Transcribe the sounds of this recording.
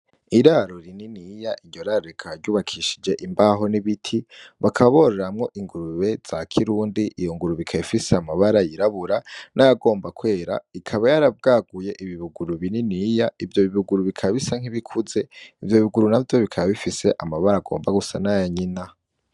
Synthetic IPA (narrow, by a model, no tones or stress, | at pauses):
iɾaɾoɾininijaʔiɾɟo̞ɾaːɾoikʰaβaɾɟuːβakʰiʃi̥d͡ʒe̞ʔimbaɦo̞niβitʰiβakʰaβo̞ɾeɾamŋo̞ʔiŋɡuɾuβe̞z̥akʰiɾuːndiʔijoŋɡuɾuβikʰaifiseamaβaɾajiɾaβuɾanʔajaɡo̞ːmbakwe̞ːɾa̰ikʰaβajaɾabɡaːɡuje̞ʔiβiβuɡuɾuβininijaivjo̞βiβuɡuɾuβikʰaβisaŋ̥hiβikʰuze̞ivjoβiɡuɾunavjo̞βikʰaβaβifise̞ʔamaβaɾaɡo̞̰ːmbaɡusanajaɲina